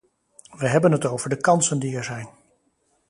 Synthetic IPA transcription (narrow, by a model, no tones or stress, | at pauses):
ʋəɦɛbənɦətowvəɹdəkɑnsəndiɛɹzɛjn